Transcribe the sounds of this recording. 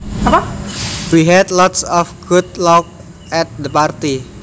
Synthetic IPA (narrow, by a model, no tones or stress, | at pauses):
apawiɦɛd̪lɔt̪sɔfɡ̥ut̪̚lɔk̚ | ɛt̪̚d̪əpart̪i